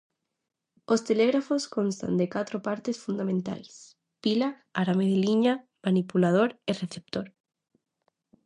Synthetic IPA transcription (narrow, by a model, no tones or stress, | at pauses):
ost̪eleɣɾafoskonst̪a̰nd̪ekat̪ɾopaɾt̪esfund̪amẽnt̪a̰js | pila | aɾameðeliɲamanipulað̞oɾereθep̚t̪oɾ